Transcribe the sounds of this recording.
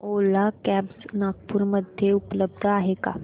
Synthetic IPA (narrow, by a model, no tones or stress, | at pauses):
olakæbsnaɡ̚puɾməd̪ʱjeupləb̚d̪ʱaɦeka̰